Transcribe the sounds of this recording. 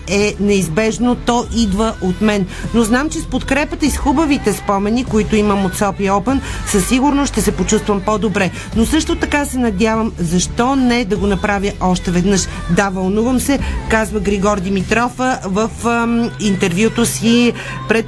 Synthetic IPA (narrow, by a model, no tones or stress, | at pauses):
ɛnɛizbɛʒnot̪ɔʔid̪vəʔot̪mɛnnoznamt͡ʃɛspot̪kɾɛpət̪əisxubəvit̪ɛspɔmɛnikoit̪ʊiməmot̪sɔpiɔpənsəsːiɡuɾnoʃt̪ɛsɛpot͡ʃust̪vəmpɔd̪obɾɛ | nosɤʃt̪ot̪ɐkasɛnɐd̪ʲjavəmzɐʃt̪ɔnɛd̪ɐɡonɐpɾavʲjəʔɔʃt̪ɛvɛd̪nɤʃ | d̪avɐlˠnuvəmsɛkazvəɡɾiɡɔɾd̪imit̪ɾɔfəvəfint̪ɛɾvjut̪osi | pɾɛt̪